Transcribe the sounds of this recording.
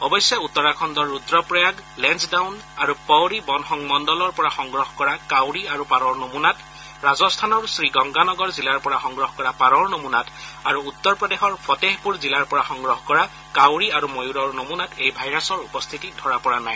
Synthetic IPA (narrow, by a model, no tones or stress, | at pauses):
ɔbɔjsjɛutːɔɹakʰɔndɔɹːudɹɔpɹɔjaɡlɛnsdawnaɹupɔwɹibɔnxɔŋmɔndɔlɔɹpɔɹaxɔŋɡɹɔɦkɔɹakawɹiaɹupaɹɔɹnomunat | ɹazɔstʰanɔɹsɹiɡɔŋɡanɔɡɔɹzilaɹpɔɹaxɔŋɡɹɔɦkɔɹapaɹɔɹnomunataɹuːt̪ːɔɹpɹɔdexɔɹpʰɔteɦpuɹzilaɹpɔɹaxɔŋɡɹɔɦkɔɹa | kawɹiaɹumojuɹɔɹnomunatʰejbʱajɹasɔɹupɔst̪ʰitidʱɔɹapɔɹanaj